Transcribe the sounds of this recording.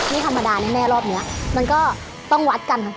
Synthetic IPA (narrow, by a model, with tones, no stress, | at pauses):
miː˦˥˩t̪ʰa˧mːa˧daː˧na˦˥˩nɛː˧˥˩lɔː˥˩p̚ni˦˥ɐʔma˧nkɔː˥˩ | t̪ɔ˥˩ŋwa˦˥t̪̚ka˧nt̪ʰa˧